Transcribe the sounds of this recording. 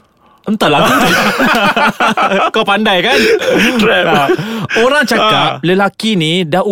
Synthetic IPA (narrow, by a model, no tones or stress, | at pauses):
ənt̪aʔlaɡit̪u | kawpandajkantɾɛpoɾaŋt͡ʃakap̚ləlakinidahu